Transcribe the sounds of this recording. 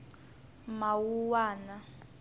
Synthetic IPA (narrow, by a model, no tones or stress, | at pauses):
mawuwaːna